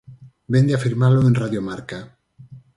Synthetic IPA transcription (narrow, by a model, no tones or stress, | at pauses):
bend̪eafiɾmaloenraðjomaɾka